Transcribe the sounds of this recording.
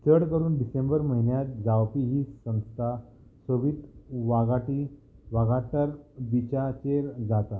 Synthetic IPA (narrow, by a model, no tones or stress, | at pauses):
t͡səɽkəɾuːnɖisẽmbəɾməɦinjat̪d͡zawpiɦiːsə̃w̃st̪ʰa | səʋiːt̪ʋaɡaʈiːʋaɡat̪əɾbit͡ɕat͡ɕeɾd͡zat̪a